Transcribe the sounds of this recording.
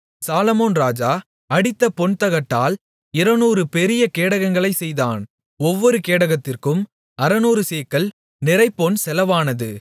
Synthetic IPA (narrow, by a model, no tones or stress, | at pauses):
saːlɐmoːnɾaːd͡ʒaː | ɐɽɪt̪ːɐpɔɳt̪ɐɣɐʈːaːl | ɪɾɐnuːɾɯpɛɾɪjɐkeːɽɐɣɐŋɡɐɭɐɪsɛjðaːn | ɔʋːɔɾɯkeːɽɐɣɐt̪ːɪrkɯm | ɐɾɐnuːɾɯseːkːɐɭ | nɪɾɐɪpːoːnsɛlɐʋaːnɐðɯ̰